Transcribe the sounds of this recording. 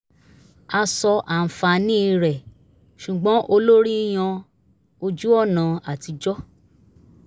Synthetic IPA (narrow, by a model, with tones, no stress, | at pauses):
a˧sɔ˧ʔa˨n̩˨fa˧nĩ˦i˧ɾɛ˨ | ʃu˨ɡ͡bɔ̃˨˦ʔo˧lo˦ɾi˦j̃ã˧ | o˧d͡ʒu˦ɔ˦˨nã˨a˨ti˧d͡ʒɔ˦